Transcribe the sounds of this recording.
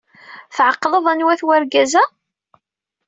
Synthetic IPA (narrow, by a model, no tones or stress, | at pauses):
θʕəqːləðˤænwæθwæɾɡæzæ